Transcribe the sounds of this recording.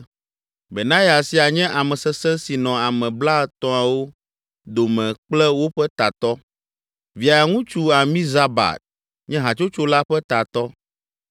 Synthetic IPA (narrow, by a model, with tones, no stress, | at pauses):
be˨nã˦ja˨si˦a˨ɲɛ̃˦ʔa˨mɛ̃˨sɛ˦sɛ̃˦si˨nɔ̃˨a˨mɛ̃˨bla˦t̪ɔ̃˦a˨wo˦ | d̪o˨mɛ̃˨k͡plɛ˦wo˦ɸɛ˦t̪a˨t̪ɔ˦ | vi˨a˨ja˨ŋũ˦t͡ʃu˦a˨mĩ˦za˦ba̰˨t̪̚ | ɲɛ̃˦ɦã˨t͡ʃo˦t͡ʃo˦la˦ɸɛ˦t̪a˨t̪ɔ˦